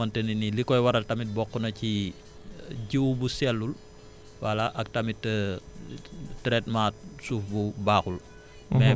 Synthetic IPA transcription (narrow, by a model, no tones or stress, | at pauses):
ɐntɛninilikɔjwɐɾɐltɐmit̚bɔkːunɐci | ɟiwbusɛlːul | wɐlaʔɐk̚tɐmitːə | tɾɛt̚maːt̚suːfbubaːxul | mɛ